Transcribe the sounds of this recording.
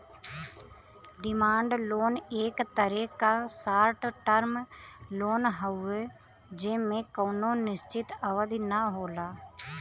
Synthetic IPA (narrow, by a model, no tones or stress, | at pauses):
ɖɪmaːɳɖloːneːkt̪əɾeːkaːsaːɾʈʈəɾmloːnɦəue | d͡ʒemẽkoːnoːnɪst͡ʃɪt̪əʋəd̪inəɦoːlaː